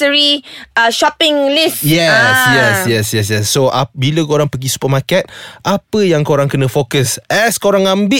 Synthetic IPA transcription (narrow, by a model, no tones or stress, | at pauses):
əɹiʃɔpɪ̃ŋlisjɛsjɛsjɛsjɛs̬jɛsːoabiləkoɾaŋpəɡisu̥pəmakɛt̪̚ʔapəjaŋkoɾãŋkənə̃fokəsɛskoɾãŋãmbɪ